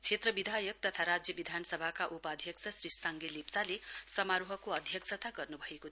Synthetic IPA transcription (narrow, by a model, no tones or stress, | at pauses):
t͡sʰet̪rʌbid̪ʱajʌk̚t̪ʌt̪ʰaɾad͡zjʌbid̪ʱanʌsʌbʱakaʔupad̪ʱjʌksʰʌsrissaŋɡelept͡salesʌmaɾuɦʌkoʌd̪ʱjʌksʌt̪aɡʌrnubʱʌeko